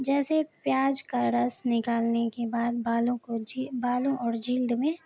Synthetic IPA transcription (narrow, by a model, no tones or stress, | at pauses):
d͡ʒɛːsepjaːd͡ʒkaɾɐsnɪkaːlnekebaːd̪̚baːlõkod͡ʒibaːlõʔɔːɾd͡ʒiːld̪mẽ